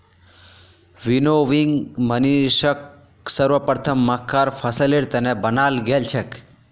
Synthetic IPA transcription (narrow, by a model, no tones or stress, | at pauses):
ʋinoʋiŋɡməniʃək̚ | səɾʋəpɾət̪ʰəmːakʰːaɾpʰəsəleɾt̪enebənalɡelt͡ʃʰek